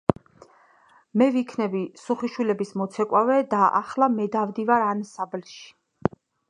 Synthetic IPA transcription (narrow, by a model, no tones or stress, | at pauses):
mɛvikʰnɛbisuχiʃwilɛbismɔt̪sʰɛkʼwavɛd̪aʔa̰χlamɛd̪avd̪ivaɾansablʃi̥